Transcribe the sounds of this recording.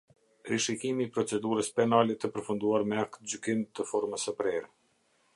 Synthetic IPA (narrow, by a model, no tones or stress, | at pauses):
ɾiʃikimiːpɾɔt͡sɛd̪uɾəspɛnalɛt̪əpəɾfund̪uaɾmɛak̚t̪d͡ʑykimt̪əfɔɾməsəpɾɛɾɛ